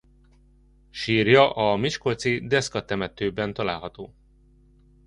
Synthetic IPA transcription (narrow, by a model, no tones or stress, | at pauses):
ʃiːrjɒʔɒmiʃkot̪sid̪ɛskɒt̪ɛmɛt̪øːbɛnt̪ɒla̰ːlɦɒt̪oː